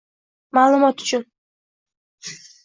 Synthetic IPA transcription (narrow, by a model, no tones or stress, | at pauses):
maːlˠʊmɒt̪ʊ̥t͡ʃʰʊn